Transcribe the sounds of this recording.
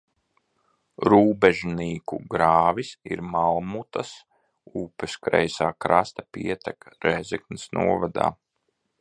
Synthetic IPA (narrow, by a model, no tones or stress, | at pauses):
ɾuːbɛʒniːkṵɡɾaːvisḭɾmalˠmut̪as | uːpɛskɾɛ̰jsaːkɾast̪apiɛt̪akɾɛzɛknisnṵɔvad̪a̰ː